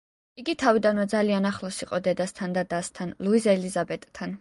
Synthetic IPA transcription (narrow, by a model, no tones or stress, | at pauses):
iɡit̪ʰavid̪anwɛd̪zalianaχlˠɔsiqʼɔd̪ɛd̪ast̪ʰand̪ad̪ast̪ʰanlˠuizɛlizabɛt̪ʼt̪ʰan